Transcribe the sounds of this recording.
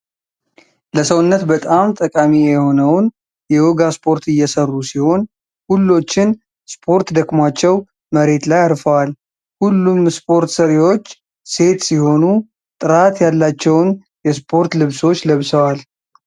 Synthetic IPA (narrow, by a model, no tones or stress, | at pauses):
ləsəwʊnːət̪bət̪ʼamt̪ʼəkʼamijɛho̞nəwn | jɛwoɡaspʰo̞ɾt̪ʰɨjːɛsərːusiho̞n | hulːo̞t͡ʃːɪn | spʰo̞ɾt̪d̪əkʼmat͡ʃːɛw | məɾe̞t̪lajaɾfəwal | hulːumspʰo̞ɾt̪səɾiwo̞t͡ʃː | se̞t̪siho̞nu | t̪ʼɨɾat̪jalːat͡ʃːɛwn | jɛspʰo̞ɾt̪lɨβso̞t͡ʃːləβsəwal